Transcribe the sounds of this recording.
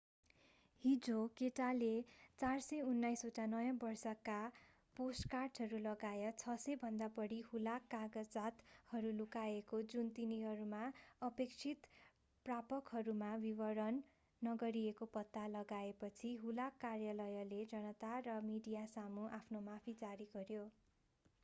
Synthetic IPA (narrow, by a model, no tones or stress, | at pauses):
hid͡zokeʈalet͡sarsʌjunːajsoʈanʌjʌ̃bʌrsʌka | posʈkarʈɦʌɾulʌɡajʌt͡sʰʌsʌjbʱʌnd̪apʌɽihulakːaɡʌd͡zat̪hʌɾulukaekod͡zunt̪iniɦʌɾumaʌpekt͡sʰit̪ | prapʌkɦʌɾumabibʌɽʌnː | ʌɡʌɾiekopʌt̪ːalʌɡaepʌt͡sʰiɦulakːarjalʌjʌled͡zʌnʌt̪arʌmiɖijasamuʔapʰnomapʰid͡zaɾiɡʌɾjo